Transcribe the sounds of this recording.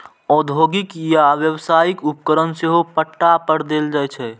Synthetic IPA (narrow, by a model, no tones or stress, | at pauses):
ɔːd̪ʱoːɡɪkjaʋjəwsaːjɪkʊp̚kəɾənseɦopəʈːapəɾd̪eːld͡ʒaːɛt͡ʃʰɛ